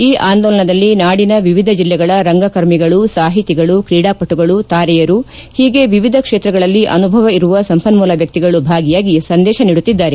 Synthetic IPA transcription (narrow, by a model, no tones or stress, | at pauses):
iːʔaːnd̪ɔːlɐɳɐd̪ɐlːinaːɽinɐʋiʋid̪ʱɐd͡ʒilːɛɡɐɭɐɾɐŋɡɐkɐɾmiɡɐɭusaːɦit̪iɡɐɭukɾiːɽaːpɐʈːuɡɐɭut̪aːɾɛjɐɾu | hiːɡe̞ʋiʋid̪ʱɐkʂeːt̪ɾɐɡɐɭɐlːiʔɐ̰nubʱɐʋɐiɾuʋɐsɐmpʰɐnmuːlɐʋjɐk̚t̪iɡɐɭubʱaːɡijaːɡisɐnd̪ɛːʃɐniːɽut̪ːid̪ːaːɾe